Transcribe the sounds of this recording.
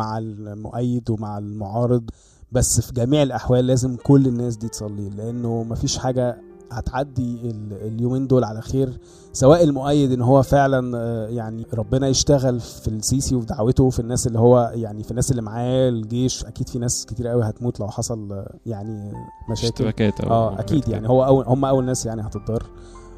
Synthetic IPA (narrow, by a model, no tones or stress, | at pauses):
maʕælmo̰ʔæjːed̪wemaʕelmoʕɑːɾed̪ˤ | bæsːfiɡæmiːʕelʔaħwæːlːæːzemkolːenːæːs̬d̪iːt̪sˤɑlːiːleʔenːomæfiːʃħaːɡæ | hæt̪ʕad̪ːieleljoːmeːnd̪oːlʕalæxeːɾ | sæwæːʔelmoʔæjːed̪ʔenːoɦowːæfeʕlænjaʕniɾˤɑbːenɑjeʃt̪æɣælfilsiːsiwd̪aʕwet̪ofinːæːselːihowːæjaʕnifinːæːselːimaʕaːlɡeːʃʔækiːd̪̥fiːnæːsket̪iːɾʔæwiɦæt̪muːt̪læwħɑsˤɑljaʕnimæʃæːkekːt̪ʔʔæːʔæ̰kiːd̪ja̰ʕnihowːæʔæwːæhomːæʔæwːælnæːsjaʕnihɑt̪ed̪ːɑɾˤ